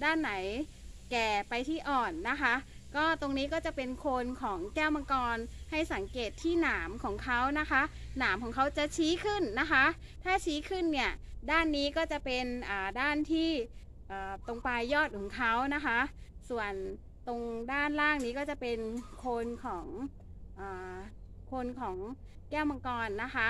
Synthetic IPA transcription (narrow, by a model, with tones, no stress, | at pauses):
daː˥˩nːa˩˦j | kɛː˨˩pa˧jt̪ʰiː˥˩ʔɔː˨˩nːa˦˥kʰa˦˥ | kɔː˥˩t̪o˧ŋniː˦˥kɔː˥˩t͡ɕa˨˩pe˧nkʰoː˧nkʰɔː˩˦ŋkɛː˥˩wma˧kɔː˧nha˥˩jsa˩˦ŋkeː˨˩t̪ʰːiː˥˩naː˩˦mkʰɔː˩˦ŋkʰa˦˥wna˦˥kʰa˦˥ʔ | naː˩˦mkʰɔː˩˦kʰa˦˥wt͡ɕa˨˩t͡ɕʰiː˦˥kʰɯ˥˩nːa˦˥kʰa˦˥ʔ | t̪ʰaː˥˩t͡ɕʰiː˦˥kʰɯ˥˩nːi˥˩ɐdaː˥˩nːiː˦˥kɔː˥˩t͡ɕa˨˩pe˧nʔaː˨˩daː˥˩nt̪ʰiː˥˩ | ʔɤː˨˩t̪o˧ŋpa˧jːɔː˥˩t̪̚kʰɔː˩˦ŋkʰa˦˥wna˦˥kʰa˦˥ʔ | su˨˩ən | t̪o˧ŋdaː˥˩nɾaː˥˩ŋniː˦˥kɔː˥˩t͡ɕa˨˩pe˧nkʰoː˧nkʰɔː˩˦ŋ | ʔɤː˨˩ | kʰo˧nkʰɔː˩˦ŋ | kɛː˥˩wma˧ŋkɔː˧nːa˦˥kʰa˦˥